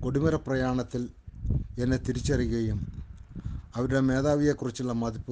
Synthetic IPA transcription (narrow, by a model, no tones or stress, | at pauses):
ko̞ɽimɐɾɐprɐjaːɳɐt̪ːil | enːet̪iɾit͡ɕːɐriɣɐjum | ɐʋɐɾuɽe̞me̞ːðaːʋije̞kːurit͡ɕːuɭːɐmɐd̪ipːu